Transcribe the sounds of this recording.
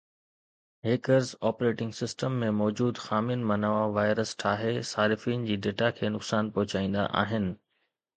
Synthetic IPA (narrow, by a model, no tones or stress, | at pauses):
ɦeːkəɾzɔːpɾeːʈɪ̃ŋɡsɪsʈəmːẽmɔːd͡ʑuːd̪xaːmɪnmɐnəʋaʋaːɪɾəsʈʰaːɦesaːɾɪfiːnd͡ʑiːɖeːʈakʰeːnʊksaːnpɐɦʊt͡ɕaːĩːn̆d̪a̰ʔa̰ːɦɪnɪ̆